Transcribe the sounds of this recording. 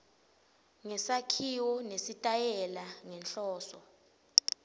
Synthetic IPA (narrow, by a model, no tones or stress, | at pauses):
ŋɛsakʰiwɔnesitʼajɛlaŋɛnɬɔːsɔ̰